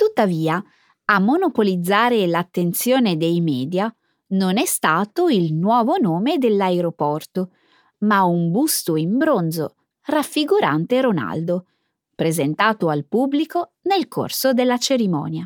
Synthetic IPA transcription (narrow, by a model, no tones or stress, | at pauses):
t̪ut̪ːaviːa | amːonopolid̪zːaːɾelat̪ːent̪sjoːned̪ejmɛːd̪ja | nonɛst̪aːt̪oilnwɔːvonoːmed̪elːaeɾopɔrt̪o | maumbust̪oimbɾond̪zo̰ | rafːiɡuɾa̰nt̪eɾona̰ld̪o | pɾezent̪aːt̪oalpubːliko | nelko̰rsod̪elːat͡ʃeɾimɔ̰ːnja